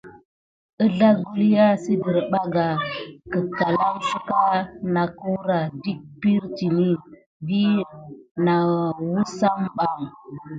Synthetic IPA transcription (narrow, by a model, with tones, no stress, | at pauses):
ə˦ɮa˦ɡu˦li˦ja˦si˦də˨ɾɓa˦ɡa˨kə˨ka˨la˦msu˦ka˦na˨ku˦ɾa˨di˦k̚pi˦ɾti˨ni˦ | bi˦ | na˨wu˦sa˦mɓa˦˨ŋ